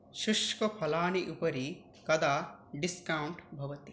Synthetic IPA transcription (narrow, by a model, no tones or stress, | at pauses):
ʃuʃkɐpʰɐlaːniʔupɐɾi | kɐd̪aːɖiskɐwuɳʈbʱɐʋɐt̪i